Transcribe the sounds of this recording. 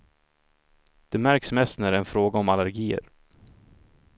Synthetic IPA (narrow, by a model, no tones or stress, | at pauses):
d̪̥ɛmæɾksmɛst̪næɾɛnfɾoːɡaɔmalæɾɡiːə̰ɾ